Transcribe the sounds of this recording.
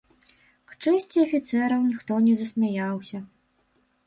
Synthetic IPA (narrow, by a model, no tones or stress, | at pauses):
kt͡ʂɛsʲt͡sʲiɐfʲit̪sɛɾɐwnʲixt̪ɔnʲɛzɐsʲmʲajawsʲɐ